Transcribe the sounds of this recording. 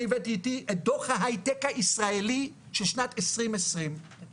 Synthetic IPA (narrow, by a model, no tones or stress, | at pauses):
ivetiːtiʔed̪oχhaɦajtekaʔisʁaeli | ʃelʃnatesʁimesʁim